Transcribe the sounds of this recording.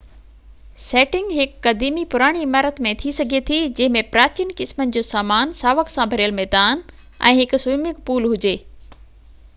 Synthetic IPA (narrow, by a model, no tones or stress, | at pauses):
seːʈɪ̃ŋɡɦɪkːɐd̪iːmipʊɾaːɽ̃iɪmaːɾət̪mẽt̪ʰisɐɡʱet̪ʰid͡ʑɐ̃ɦɪ̃mẽpɾaːt͡ɕinkɪsmənɪ̆d͡ʑoːsaːmaːnsaːʋəksãbʱɐɾijəlmɛːd̪aːn | ʔɛ̰̃ːɦɪksʊjmɪkpuːlɦʊd͡ʑeː